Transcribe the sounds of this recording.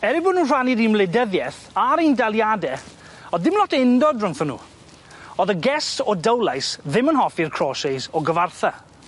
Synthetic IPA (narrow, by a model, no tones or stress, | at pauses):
ɛɾibʊːdnuːnr̥aniɾimlɛdəðjɛθ | aɾindalˠjadɛ | ɔðdɪmlˠɔtʰɪndɔdrəŋθɔnːṵː | ɔðəɡɛstʰɔdəwlˠajsðɪmənɦɔfirkʰr̥ɔsejsɔɡəvarθa